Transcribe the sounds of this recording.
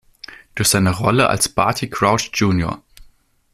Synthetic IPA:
d̥uːsz̥aɪnəʁɔləʔa̰lspʰa̰ɐtʰikʁ̥aʊtd͡ʒuːnjo̰ɐ

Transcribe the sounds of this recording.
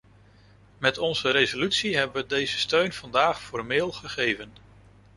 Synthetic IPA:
mɛtɔnzəɾezolytsiɦɛbəʋədejzəstøɥnv̥ɑndaːχfɔɹmɪːlˠχəχejvən

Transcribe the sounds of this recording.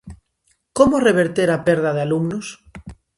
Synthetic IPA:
komoreβ̞eɾt̪eɾapeɾð̞aðealumnos

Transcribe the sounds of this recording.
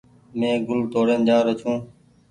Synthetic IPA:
mẽːɡʊlt̪oːɾeːnd͡ʑaːɾət͡ʃʰũː

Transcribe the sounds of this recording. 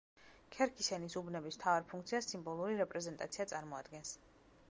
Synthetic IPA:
kʰɛɾkʰisɛnisubnɛbismt̪ʰavaɾpʰuŋk̚ʰt̪sʰiasimbɔlˠuɾiɾɛpʼɾɛzɛnt̪ʼa̰t̪sʰiat̪sʼaɾmɔad̪ɡɛns

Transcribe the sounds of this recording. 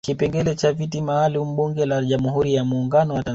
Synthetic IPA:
kipɛŋɡɛlɛt͡ʃavitimaːlum̩ɓuŋɡɛlaʄamuɦuɾijamuːŋɡanɔwata

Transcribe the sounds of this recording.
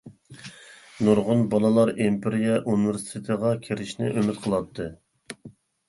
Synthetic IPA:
nuɾʁʊnbɑlˠɨlˠɑɾimpʰeɾijɛʔuniveɾsi̥t̪ʰɪt̪ʰəʁɑkʲʰeɾɪʃnɪ̰ʔømɪt̪qʰəlˠɑt̪ʰːɨ

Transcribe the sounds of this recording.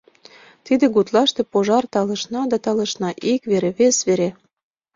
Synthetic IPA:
t̪id̪ĕɡut̪lɑʃt̪ĕpoʒɑrt̪ɑlɤ̆ʃnɑd̪ɑt̪ɑlɤ̆ʃnɑʔikβeɾeβesβeɾe

